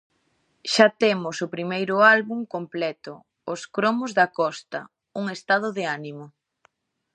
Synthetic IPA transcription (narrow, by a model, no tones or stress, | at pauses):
ʃat̪emʊsʊpɾimejɾʊalβuŋkomplɛt̪ʊ | oskɾomozðɐkɔst̪ɐ̰ | uŋest̪að̞ʊðeanimʊ